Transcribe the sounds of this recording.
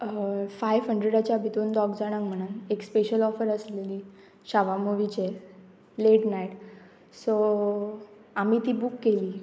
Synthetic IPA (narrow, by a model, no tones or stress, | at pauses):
fajʋɦəɳɖɾeɽat͡ɕjabid̪ond̪ɔɡd͡zaɽ̃akm̤əɽ̃unekspeɕəlɔfəɾəsleliː | ɕaʋamuʋit͡ɕe | leʈnajʈ | so | amiːt̪iːbukːeliː